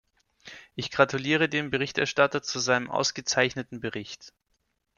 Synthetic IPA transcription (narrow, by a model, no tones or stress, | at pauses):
ʔɪçɡ̥ʁatuliːʁ̞ədeːmbəʁɪçtɛɐʃtatɐt͡suzaɪnəmʔa̰ʊsɡ̥ət͡saɪçnətn̩bəʁɪçt